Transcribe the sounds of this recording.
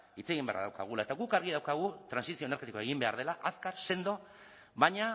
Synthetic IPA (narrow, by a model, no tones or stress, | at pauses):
it͡se̞ɣimbḛra̰ða̰wka̰ɣ̞ulae̞t̪aɣukaɾɣiðawkaɣ̞ut̪ɾansisio̞eneɾɣet̪ikoeɣimbe̞aɾðe̞laʔaskaɾse̞nd̪o̞ | βaɲa